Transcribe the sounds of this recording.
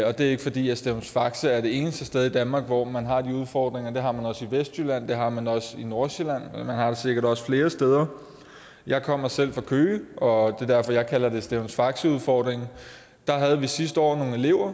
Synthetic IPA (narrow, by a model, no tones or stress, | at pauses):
ɒ̽d̥e̝æe̝ɡ̥əfɒ̽d̥ḭːæsd̥eʊnsfɑ̈ɡ̥səæɐɾ̥e̝e̝ːnəsd̥əsd̥eð̞ˠid̥ænmɑ̈ːɡ̥ʋɒmænɦɑ̈d̥iuð̞ˠfɒ̰ːd̥ʁeŋɐd̥e̝ɦɑ̈mænɒ̽siʋesd̥jylæn̰d̥e̝ɦɑ̈mænɒ̽səinoɐɕelæn̰mænhɑ̈ɾ̥esiɡ̥ɐɾɒ̽sə̥fle̝ːɐsd̥eð̞ˠɐ | jɑ̈ɪkʰɒ̽m̰ɐsel̰fʁɑ̈kʰøːʔɒ̽d̥e̝d̥æɐfɒ̽jɑ̈ɪkʰælɐd̥e̝sd̥eʊnsfɑ̈ɡ̥səuð̞ˠfɒːd̥ʁeŋ | d̥ɑ̈ɦæð̞̩ˠʋisisd̥əɒ̰ːno̝ːŋ̩e̝le̝ʊ̰ɐ